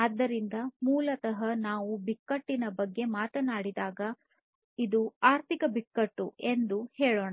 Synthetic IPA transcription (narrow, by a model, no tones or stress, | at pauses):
ɐd̪ːɐɾind̪ɐmuːlɐt̪ɐɦɐnaːʋubikːɐʈːinɐbɐɡːe̞maːt̪ɐnaːɽid̪aːɡɐ | id̪uaːɾt̪ʰikɐbikːɐʈːue̞nd̪uhɛːɭoːɳa